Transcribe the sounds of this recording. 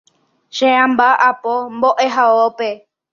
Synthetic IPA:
ʃeãmbaʔapomboʔeɦaope

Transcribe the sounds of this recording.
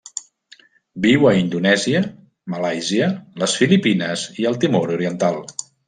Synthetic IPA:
biwəind̪unɛziə | məlajziələsfilipinəziəlˠt̪imoɾuɾiənt̪alˠ

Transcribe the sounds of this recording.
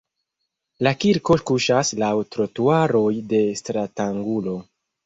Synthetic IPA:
lakiɾko̞kuʃaslawtɾo̞tuaɾo̞jde̞stɾataŋɡulo̞

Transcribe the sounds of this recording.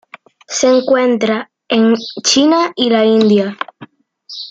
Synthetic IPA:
se̞ŋkwe̞nt̪ɾa | eŋt͡ʃinailaind̪ja

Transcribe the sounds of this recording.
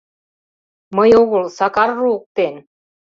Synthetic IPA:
məjoɣolsɑkɑrːuuk̚t̪en

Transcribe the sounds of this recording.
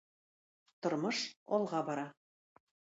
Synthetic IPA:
t̪ŏɾmɤʃɒlˠʁɑbɑɾɑ

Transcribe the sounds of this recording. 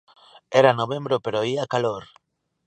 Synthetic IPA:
eɾanoβẽmbɾopeɾoiakaloɾ

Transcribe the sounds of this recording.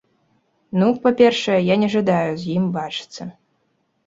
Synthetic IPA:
nupapʲɛrʂɐjɛjanʲɛʐad̪ajuzʲjimbat͡ʂɨ̥t̪sːɐ

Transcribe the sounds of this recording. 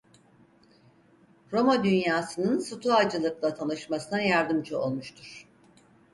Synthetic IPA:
ɾo̞mad̪ynjaːsɯnɯnsut̪ʰuad͡ʒɯlˠɯklˠat̪ʰanɯʃmasɯnajaɾd̪ɯmd͡ʒɯo̞̰lˠmuʃt̪ʰuɾ̥

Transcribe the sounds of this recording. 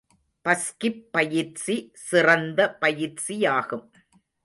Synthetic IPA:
pɐskɪpːɐjɪɾt͡ʃisɪrɐnd̪ɐpɐjɪɾsijaːɣɯm

